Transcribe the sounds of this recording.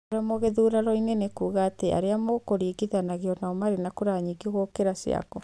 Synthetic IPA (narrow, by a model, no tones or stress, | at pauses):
ɾɔmoɣeðuɾaɾɔinenekuːɣaːteʔa̰ɾeamokoɾiːɡiðanaɣeɔnaɔmaɾenakoɾaːɲiɡiɣokeɾasj̰a̰kɔ